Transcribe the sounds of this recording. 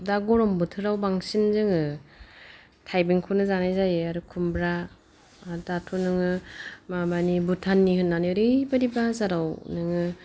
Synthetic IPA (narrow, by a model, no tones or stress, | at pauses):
daɡɔɾɔmbɯtʰɯɾawbaŋsinzɯŋɯ | tʰajbiŋkʰunɯzanajzajɯaɾukʰumbɾa | adatʰunɯŋɯmabanibutʰanːiɦɯnːanɯɾɯbaɾibazaɾawnɯŋɯ